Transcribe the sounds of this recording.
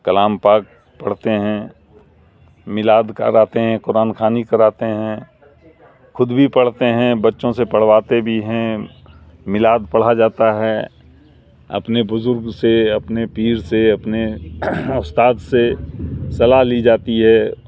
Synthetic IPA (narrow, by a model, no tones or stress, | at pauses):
kɐlaːmpaːk̚ | pɐɽ̤t̪eɦɛ̃ː | mɪlaːd̪kə̰ɾaːt̪eɦɛ̃kʊɾaːnkʰaːnikɐɾaːt̪eɦɛ̃ | xʊd̪bʱipɐɽ̤t̪eɦɛ̃bɐtːʃõsepɐɽ̤waːt̪ebʱiɦɛ̃ | mɪlaːd̪̚pɐɽ̤ad͡ʒaːt̪aɦɛ | ɐ̰pnebʊzʊɾɡseɐpnepiːɾseɐpne | ʊst̪aːt̪sesɐlaɦlid͡ʒaːt̪iɦɛ